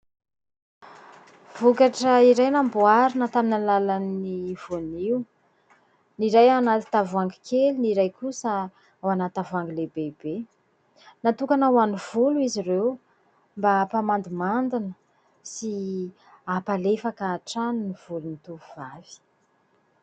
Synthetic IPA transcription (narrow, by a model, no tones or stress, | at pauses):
v̥ukaʈ͡ʂəiɾajnambuaɾinət̪aminalalaniv̥oniw | niɾajanat̪i̥t̪avuaŋɡikʰeliniɾajkusə | awanat̪avaŋɡilebebe | nat̪ukanawaniv̥uluiziɾew | mbapamand̪imand̪inə | si | apalefakaːʈ͡ʂanuniv̥ulunit̪uuvavi̥